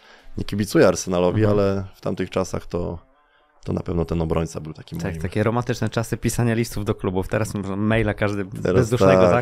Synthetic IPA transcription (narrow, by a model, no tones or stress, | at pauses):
ɲɛkʲibʲit̪sujɛaɾsɛnalɔvʲialɛft̪a̰mt̪ɘxt͡ʂasa̰xt̪ɔ̰ | t̪ɔna̰pɛvnɔt̪ɛnɔbɾɔɲt̪sabɘwt̪akʲit̪ʰakt̪akʲɛɾɔmant̪ɘt͡ʂnɛt͡ʂasɘpʲisaɲalʲist̪uvd̪ɔklubuft̪ɛɾasmɔʐamɛjlakaʐd̪ɘɛɾbɛzd̪uʂnɛɡɔt̪ak